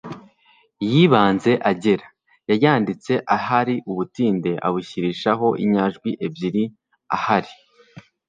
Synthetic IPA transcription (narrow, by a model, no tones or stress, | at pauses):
jiːβaːnze̞ʔaɟeɾa | jajaːndit͡se̞ʔaɦaɾiʔuβutiːnde̞ʔa̰βuçiɾiːʃaɦo̞ʔḭɲaʒɡwiʔe̞bjiɾi | a̰haɾi